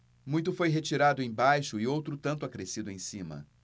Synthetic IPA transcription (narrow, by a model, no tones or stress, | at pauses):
mũj̃t̪ʊfojɦet͡ʃiɾad̪ʊẽj̃bajʃʊɪowt̪ɾʊt̪ɐ̃nt̪ʊakɾesid̪ʊẽj̃sĩmɐ̰